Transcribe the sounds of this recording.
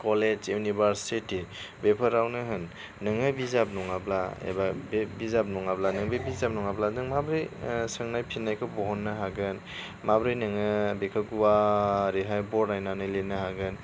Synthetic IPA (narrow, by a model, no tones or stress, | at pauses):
kɔled͡ʒjunibaɾsitibepʰɯɾawnɯɦɯnː | ɯŋɯbizap̚nɔŋablaḛbabbizap̚nɔŋablanɯŋbɯbizap̚nɔŋabladɯŋmabɾɯjsɯŋnajpʰinːajkʰɯbɔɦɔnːɯɦaɡɯn | mabɾɯjnɯŋɯbekʰɯɡuwaɾeɦajbɔɾnajnanɯjlenɯhaɡɯn